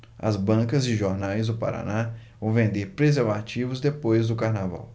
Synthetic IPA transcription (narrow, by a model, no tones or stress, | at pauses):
ɐ̰zbɐ̃kɐzd͡ʒɪʒoɾnajzd̪ʊpa̰ɾa̰navɐ̃w̃vẽnd̪eɾpɾezeɾvat͡ʃivʊzd̪epojzd̪ʊkaɾnava̰w